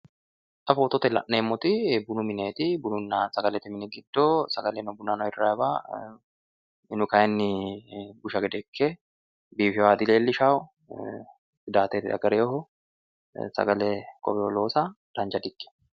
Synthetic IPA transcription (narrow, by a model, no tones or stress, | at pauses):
ʔɐfoːt̪ɔt̪ɛlɐ̰ʔːeːmːɔt̪ɪbʊnʊmɪneːt̪ɪbʊnʊnːasɐɡɐlɛt̪ːɪmɪnɪɡɪd̪ːoːsɐɡɐlɛnɔbʊnːaːnɔɪrːaːɛbaː | ɪnʊkɐjɛnːɪbʊʃɐɡɛd̪ɛkʰːɛ | biːfɪwaːd̪ɪleːlːɪʃaːʊ | ɪd̪aːt̪eːt̪ɪ̰ɐ̰ɡɐɾeɔhɔ | sɐ̰ɡɐlɛkɔ̰bɛɔloːsad̪̥aːnd͡ʒɐd̪ɪɡːɛ̥